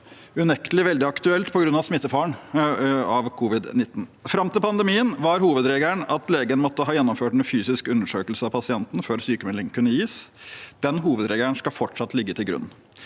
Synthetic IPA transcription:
ʉnɛkt̪əlɪʋɛld̪ɪɑkt̪ʉɛlt̪pʰɔɡɾʉnːɑʋsmɪt̪ːəfɑːɳ | ɑʋkʰuːʋɪd̪nɪt̪ːn̩fɾɑmt̪ɪlpʰɑnd̪ɛmiːənʋɑɾhuːʋəd̪ɾeːɡəɳɑt̪leːɡənmɔt̪ːəhɑːjɛnːɔmføːʈnfyːsɪskʉnːəʂøːkəlsəɑʋpʰɑsɪɛnt̪n̩føːɾsyːkəmɛlɪŋkʰʉnːəjiːsd̪̥ɛnɦuːʋəd̪ɾeːɡəɳskɑfɔʈʂɑt̪ːlɪɡːət̪ʰɪlɡɾʉ̰nn̩

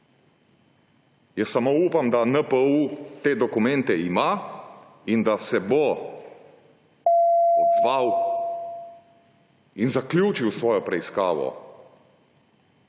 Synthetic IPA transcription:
jɛsamouːpamd̪anəpəut̪eːd̪ɔkumɛnt̪ɛima | ind̪asɛbo | ɔd̪zʋaw | inzakljuːt͡ʃiwsʋɔːjɔpɾɛiska̰ːʋɔ̰

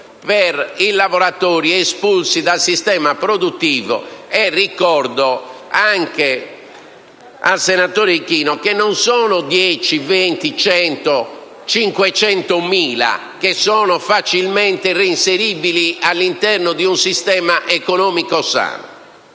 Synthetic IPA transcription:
peɾilavɔɾat̪oːɾiespulsid̪alsist̪ɛːmapɾod̪ut̪ːiːvo̰ɛrːikɔɾd̪ɔaŋke | a̰lsɛnat̪oːɾikiːnɔkenːɔnsɔːnod̪jɛt͡ʃivent̪it͡ʃɛnt̪o | t͡ʃiŋkwɛt͡ʃɛnt̪omiːla̰ | kesːɔːnɔfat͡ʃilmɛnt̪ereinseɾiːbilialːint̪ɛrnod̪iunsist̪ɛːmaʔɛkɔnɔːmikosa̰ːno̰

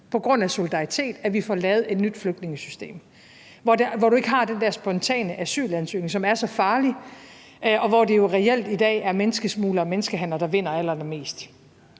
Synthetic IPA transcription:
pʰɒ̽ɡ̥ʁɔ̽n̰æso̝lid̥ɑ̈it͡sʰe̝̰ːd̥æɐʋifɒlɛːʊð̞̩ˠe̝d̥nyd̥fløɡ̥d̥ne̝ŋəsysd̥e̝̰ːm | ʋɒdeʋɒɾ̥ue̝ɡ̥əɦhɑ̈d̥end̥æɐsb̥ɒ̽nt͡sʰɛ̰ːnəʔæsy̰ːlænsø̰ːne̝ŋsɒ̽mæɐsɒ̽fɑ̈ːli | ɒ̽ʋɒd̥e̝jo̝ʁɛel̰d̥id̥ɛ̰ːæɐmenəsɡ̥əsmuːləɒ̽menəsɡ̥əɦæn̰lɐd̥ɑ̈ʋe̝n̰ɐæl̰ɐenɐme̝̰ːsd̥

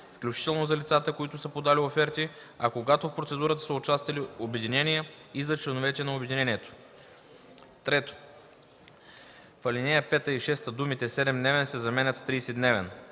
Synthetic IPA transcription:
fklʲut͡ʃi̥t̪ɛlˠnozɐlit̪sat̪əkoit̪ʊsəpod̪aliofɛɾt̪i | ɐkoɡat̪ofpɾot̪sɛd̪uɾət̪ə̥səʊt͡ʃast̪vɐlʲiobɛd̪inɛnijəizɐt͡ʃlɛnʊvɛt̪ʲɛnɐobɛd̪inɛnʲiɛt̪o̥ | t̪ɾɛt̪o̥ | fɐlinɛjəpɛt̪əiʃɛst̪əd̪umit̪ɛsɛd̪ɛmd̪nɛvɛnsɛzɐmɛnʲɐt̪st̪ɾiːsɛd̪nɛvɛn

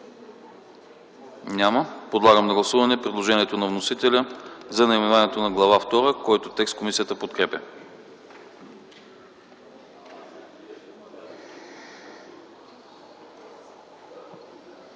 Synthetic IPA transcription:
ɲʲaməpod̪lˠaɡəmd̪ɐɡlˠɐsuvɐnɛpɾɛd̪lˠoʒɛniɛt̪onɐvnosit̪ɛlʲəzɐnɐimɛnvanɛt̪onɐɡlˠɐvaft̪ɔɾəkɔjt̪ot̪ɛkst̪komisijət̪əpot̪̚kɾɛpʲə

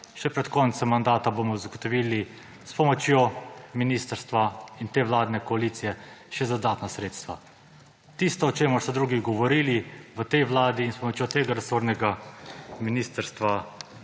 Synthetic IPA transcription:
ʃɛpɾɛt̪kɔːnt̪sɛmːand̪aːt̪abomɔzaɡɔt̪ɔʋiːli | spɔmɔt͡ʃjoːminiːst̪əɾst̪ʋaint̪eːʋlaːd̪nɛkɔaliːt̪sijɛʃɛzad̪aːt̪nasɾeːt̪st̪ʋa̰ | t̪ist̪ɔːt͡ʃeːmʊɾsɔd̪ɾuːɡiɡɔʋɔɾiːliʋət̪ɛjʋlaːd̪iːnspɔmɔt͡ʃjot̪eːɡaɾɛsoɾnɛɡaminiːst̪əɾst̪ʋa

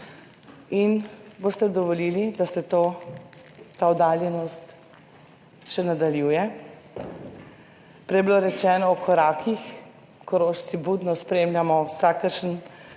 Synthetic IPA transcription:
inboːst̪ɛd̪ɔʋɔliːlid̪asɛt̪oː | t̪aɔd̪aːljɛnɔst̪ | ʃɛnad̪aljuːjɛ | pɾɛjbiloɾɛt͡ʃɛːnɔɔkʰɔɾaːkʰix | kɔɾoːʃsibud̪nɔspɾeːmlʲjamɔwsakəɾʃən

